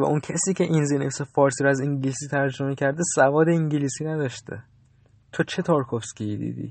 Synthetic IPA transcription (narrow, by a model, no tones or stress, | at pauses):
væ̰ʔuncʰæsiːcʰe̞ʔinzinefsefɒːɾsiːɾoæziŋɟlisiːt̪ʰæɾd͡ʒomecʰæɾd̪esævɒːd̪e̞iŋɟiliːsiːnæd̪ɒʃt̪ʰḛ | t̪ʰot͡ʃʰe̞t̪ʰoɾkʰofscʲijid̪ḭːd̪ḭː